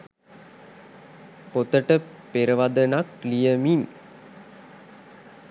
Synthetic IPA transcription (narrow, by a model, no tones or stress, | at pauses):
pot̪əʈə | peɾəʋad̪ənaklijəmin